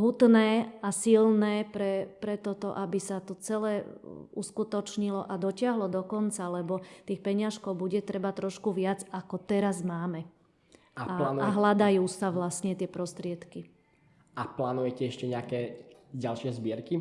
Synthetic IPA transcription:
ɦut̪nɛːasilnɛːpɾɛpɾɛt̪ɔt̪ɔʔabisat̪ɔt͡sɛlɛːuskut̪ɔt͡ʃɲilɔʔad̪ɔcɪaɦlɔd̪ɔkɔnt͡salɛbɔt̪iːxpɛɲɪaʃkɔʊbuɟɛt̪ɾɛbat̪ɾɔʃkuʋɪad͡zakɔt̪ɛɾazmaːmɛ | aalanaɦlad̪ajuːsaʋlasɲɛt̪ɪɛpɾɔst̪ɾɪɛt̪ki | aplaːnujɛcɛɛʃcɛɲɛakɛːɟalʃɪɛzbɪɛɾki

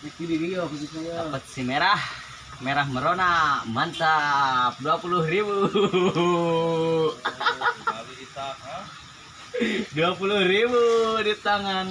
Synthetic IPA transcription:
ətidiɾiopsisioapət̪̚simeɾah | meɾahməɾonamant̪apduapuluhribu | abiit̪aka | duapuluhɾibudit̪aŋan

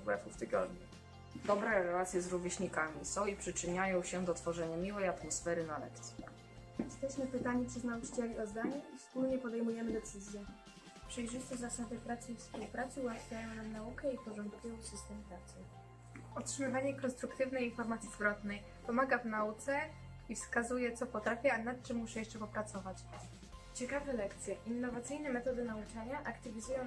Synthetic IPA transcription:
ɡwɛ̰fuft̪ɘɡɔ̰d̪ɲu | d̪ɔbɾɛɾɛlat̪sʲjɛzɾuvʲjeɕɲikamʲisɔ̃w̃ipʂɘt͡ʂɘɲajɔ̃w̃ɕɛd̪ɔt̪fɔʐɛɲamʲiwɛjat̪mɔsfɛɾɘnalɛ̰kt̪sʲji | jɛst̪ɛɕmɘpɘt̪aɲitt͡ʂɘznaut͡ʂɘ̥t͡ɕɛlʲiɔzd̪aɲuʔifspulɲɛpɔd̪ɛjmujɛmɘd̪ɛt̪sɘzʲjɛ | pʂɛjʐɘɕt͡ɕɛzasad̪ɘpɾat̪sɘifspuwpɾat̪sɘuwat̪fʲjajɔ̃w̃namnaukɛipɔʐɔ̃nt̪kujɔ̃w̃fsɨst̪ɛmpɾat̪sɘ | ɔtʂɘmɘvaɲɛkɔnst̪ɾukt̪ɘvnɛjinfɔɾmat̪sʲjizvɾɔt̪nɛj | pɔmaɡavnaut̪sɛ | ifskazujɛt̪sɔpɔt̪ɾafʲaanat̪̚t͡ʂɘmːuʂɛjɛʂt͡ʂɛpɔpɾat̪sɔvat͡ɕ | t͡ɕɛkavɛlɛkt̪sʲjɛʔinːɔvat̪sɘjnɛmɛt̪ɔd̪ɘnaut͡ʂaɲaʔakt̪ɘvʲizujɔ̃

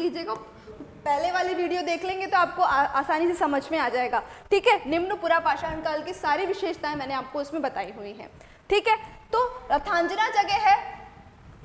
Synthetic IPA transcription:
liːd͡ʒeko | pɛɦleʋaːliʋiːɽijod̪eːkʰlẽːŋɡet̪oaːp̚koʔaaːsaːnisesɐməd͡ʒʱmẽaːd͡ʒaːeːɡaːʈʰiːkɦɛnɪmnəpʊɾapaːʃaɐ̃nkaːlkisaːɾiʋɪʃeːʃt̪ãɦɛ̃mɛːnẽaːp̚koʊsmẽbɐt̪aːiɦuiɦɛ̰̃ː | ʈʰiːkɦɛːt̪oːɾɐt̪ʰãːɲd͡ʒnad͡ʒɐɡɛɦɛː

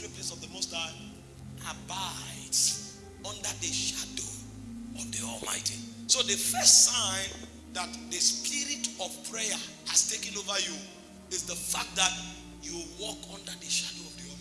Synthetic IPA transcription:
iplesɔvðəmɔsta | abaɪds | ɔ̃ndəðəʃado | ɔvdiɔ̰lma̰ɪtisoðəfɜstsãɪ̃n | ðatðəspʰiɾitɔv̥pʰɹejə | astekɛ̃novəju | ɪzðəfakt̚dat | juwɔkʰɔ̃ndəðəʃadoɔvdiɔ

